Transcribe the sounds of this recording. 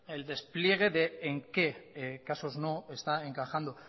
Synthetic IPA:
e̞ld̪e̞splje̞ɣ̞e̞ðe̞ːŋke̞kaso̞zno̞e̞st̪ae̞ŋkaxand̪o

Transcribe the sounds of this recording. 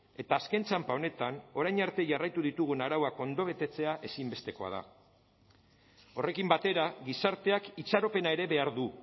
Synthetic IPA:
e̞t̪aːskent͡sampao̞ne̞t̪ano̞ɾajɲaɾt̪e̞ʝarajt̪uðit̪uɣ̞unaɾawako̞nd̪o̞βe̞t̪e̞t͡se̞aʔe̞simbe̞st̪e̞ko̞a̰ð̞a̰ | o̞re̞kimbat̪e̞ɾaɣisaɾt̪e̞akit͡saɾo̞pe̞nae̞ɾe̞βe̞aɾðu

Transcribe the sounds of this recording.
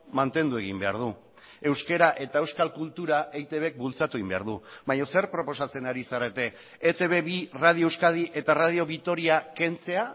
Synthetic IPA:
mant̪e̞nd̪ue̞ɣ̞imbe̞aɾð̞u | e̞wske̞ɾaʔe̞t̪ae̞wskalkult̪uɾaʔejt̪e̞βk̚bult͡sat̪uimbea̰ɾð̞uβajɲose̞ɾpɾo̞po̞sat͡se̞naɾisaɾe̞t̪e̞ː | t̪e̞βe̞βirað̞iowskað̞iʔe̞t̪arað̞io̞βit̪o̞ɾiake̞nt͡se̞a

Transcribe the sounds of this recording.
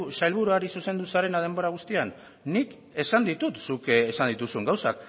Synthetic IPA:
sajlβuɾuaɾisuse̞nd̪usaɾe̞nað̞e̞mbo̞ɾaɣ̞ust̪ianː | ik | e̞sand̪it̪ut̪sukesand̪it̪usueŋɡawsa̰k

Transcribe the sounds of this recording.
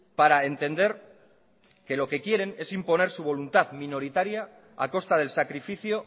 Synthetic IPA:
paɾae̞nt̪e̞nd̪e̞ɾ | ke̞lo̞ke̞kje̞ɾe̞ne̞simpo̞ne̞ɾsuβ̞o̞lunt̪aðmĩno̞ɾit̪aɾja̰ː | ko̞st̪að̞e̞lsakɾifiθjo̞

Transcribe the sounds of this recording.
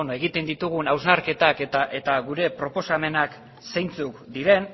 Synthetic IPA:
onoe̞ɣit̪e̞nd̪it̪uɣ̞unawznaɾke̞t̪aket̪aʔe̞t̪aɣuɾe̞pɾo̞po̞same̞nak | sejnt͡sukd̪iɾe̞n

